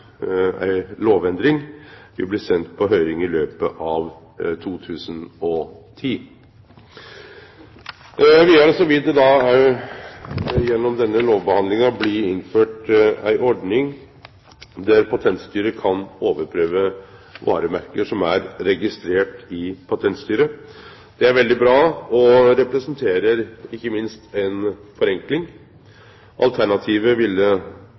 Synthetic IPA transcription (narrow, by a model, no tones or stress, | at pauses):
æ̰ɪloːʋɛnd̪ɾɪŋʋɪblɪsɛnt̪̚pʰɔɦœʏɾɪŋɪløːpəʔɑʋ | t̪ʰuːt̪ʰʉːsənɔt̪ʰiː | ʋɪæɾsɔʋɪt̪̚d̪ɛd̪ɑ | jɛnːɔmd̪ɛnːəloːʋbəhɑnd̪lɪŋɑblɪɪnføːʈæ̰ɪʔɔɖnɪŋ | d̪æɾpʰɑt̪ʰɛnt̪st̪yːɾəkʰɑnoːʋəɾpʰɾøːʋəʋɑ̰ːɾəmæɾkəʂɔmæɾɾɛɡɪst̪ɾeːʈɪpʰɑt̪ʰɛnt̪st̪yːɾə | d̪̥ɛæɾʋɛld̪ɪbɾɑːɔɾɛpɾɛsənt̪ʰeːɾəɾɪkːəmɪnst̪ɛnfɔɾɛŋklɪŋ | ʔɑ̰lt̪ʰæɳɑt̪ʰiːʋəʋɪlːə